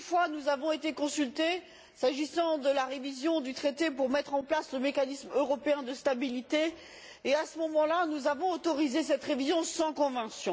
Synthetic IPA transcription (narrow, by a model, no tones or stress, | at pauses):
ynfwanuzavɔ̃et̪ekɔ̃sylt̪e | saʒisɑ̃d̪əlaʁevizjɔ̃d̪yt̪χet̪epuʁmɛt̪χɑ̃plasləmekanismøʁɔpeɛ̃d̪əst̪abilit̪eː | asəmɔmɑ̃lanuzavɔ̃ot̪ɔʁizesɛt̪ʁevizjɔ̃sɑ̃kɔ̃vɑ̃sjɔ̃